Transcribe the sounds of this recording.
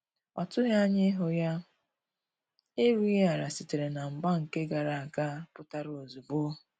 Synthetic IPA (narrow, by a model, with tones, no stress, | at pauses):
ɔ˨tʊ˦ɦe˦a˦ɲɪ˦ɦʊ˦ja˦ | e˦ɾu˦e˦a˨ɾa˨si˨te˨ɾe˨na˨m̩˨ba˦ŋ̩˨ke˦ɡa˨ɾa˨a˨ka˦pʊ˦ta˦ɾo˨zu˨bo˦